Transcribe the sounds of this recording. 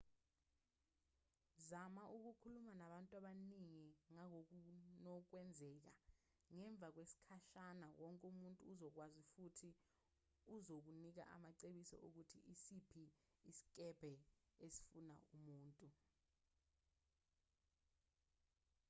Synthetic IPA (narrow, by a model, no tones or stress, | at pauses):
zamaʔuk̬ukʰulumanaɓantʼwaɓaniŋiŋaŋoknɔk̬wɛnd͡zʱɛːk̬a̰ | ŋɛɱb̪vʱak̬wesi̥kʰaʃanawɔŋkʼumuntʼuːzɔk̬wazifutʰi | uzok̬unik̬a̰ʔa̰maǀeɓisɔ̰ʔok̬utʰḭisipʰiːsi̥k̬ʼɛb̥ʱɛesi̥funa̰ʔumuːntʼu